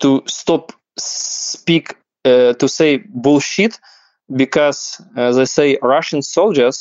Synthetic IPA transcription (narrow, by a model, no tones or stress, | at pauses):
t̪ust̪ɔp | spik | t̪useɪbʊlˠʃit̪ | bɪkʰɔz̥ðeɪseɪɹaʃə̃nsolˠd͡ʒəs